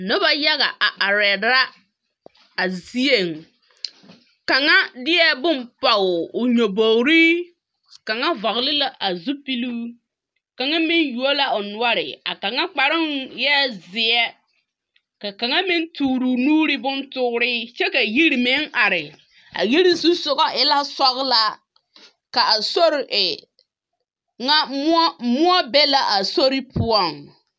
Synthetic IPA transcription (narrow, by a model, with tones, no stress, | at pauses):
nʊ˦ba˦ja˦ɣa̰˨ʔa˨ʔa˨ɾɛ˨da˦ | a˨zi˦e˨ŋ | ka˨ŋa˦dɪ˦ɛ˦bʊ˦mpa˨ʊ˨ʊ˨ɲo˨bo˨wɾi˦ | ka˨ŋa˦va˨ɣlɪ˦la˨ʔa˨zu˦pi˦luː˦ | ka˨ŋa˦mɪ˦nju˨o˦la˨ʊ˨nʊ˦ɔ˦ɾɪ̰˨a̰˨ka˨ŋa˦k͡pa˨ɾɪ˦ŋjɛ˦zɪ˨˦ɛ˦ | ka˨ka˨ŋa˦mɪ˦ntuː˨ɾu˨nuː˦ɾɪ˦bʊ˦ntʊ˦ɾɪː˦t͡ʃɛ˦ka˨ji˦ɾi˨mɪ˦ŋa˨ɾɪ˨ | a̰˨ji˦ɾi˦su˦sʊ˨ɣɔ˦ʔɪ˦la˦sɔ˦ɣla˦ | ka˨a˨so˦ɾʔɪ˨ | ŋa˦mʊ˦ɔ˦bɛ˦la˨ʔa˨so˦ɾɪ˦pʰʊ˦ɔ˦˨ŋ